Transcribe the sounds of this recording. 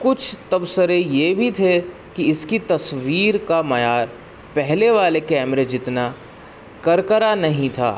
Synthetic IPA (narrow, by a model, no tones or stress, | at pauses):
kʊt͡ʃʰt̪ɐbsəɾejebʱit̪ʰe | kiɪskit̪ɐsʋiːɾkamɐjaːɾ | pɛɦleʋaːlekɛːmɾed͡ʒɪt̪na | kɐɾkəɾanɐɦĩt̪ʰa̰ː